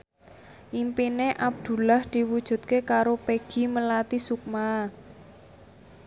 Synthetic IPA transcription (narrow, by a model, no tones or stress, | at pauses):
ʔimpineʔab̚d̪̥ṳlahd̪̥i̤wud̥ʒ̥ṳt̪̚kekaɾopeɡ̥i̤məlat̪isuk̚maː